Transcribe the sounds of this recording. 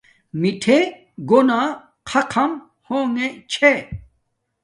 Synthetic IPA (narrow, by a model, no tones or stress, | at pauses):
miʈʰe | ɡonaː | qʰɐqʰɐm | hoːŋet͡ɕʰe